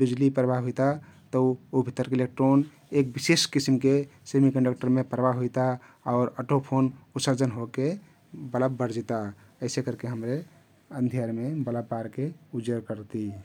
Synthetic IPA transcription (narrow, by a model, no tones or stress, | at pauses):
bid͡ʒlipɾəbʱaɦujt̪at̪əobʱit̪ːəɾkelek̚ʈɾon | ek̚biseskisimkesemikə̃ɳɖək̚ʈəɾmepɾəbaɦujt̪a | ɔːɾəʈopʰonut̪səɾd͡ʒənɦoke | bələbːəɾd͡ʒit̪a | əɪsekəɾkeɦəmɾe | ənd̪ʱijəɾmebələbːaɾkeud͡ʒəɾkəɾt̪i